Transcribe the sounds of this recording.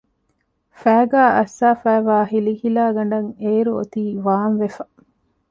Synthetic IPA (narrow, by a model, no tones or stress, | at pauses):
fæːɡaːʔɐsːaːfæːʋaːɦilihilaːɡɐɳ̆ɖɐŋeːɾuo̰t̪iːʋaːnʋefɐ